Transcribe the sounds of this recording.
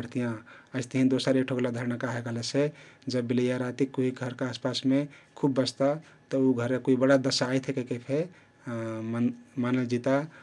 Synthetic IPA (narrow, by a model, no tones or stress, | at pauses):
əɽ̤t̪ijãəɪst̪əɦĩd̪osəɾekʈʰoɡlad̪ʱəɾnakaɦekəɦlɛsed͡ʒəbːilijaɾat̪ikuɦiɡʱəɾkeaspasmekʰubːəst̪a | t̪əuɡʱəɾekoibəɽad̪əsaːjt̪ʰɦekekepʰe | mmanəd͡ʒit̪a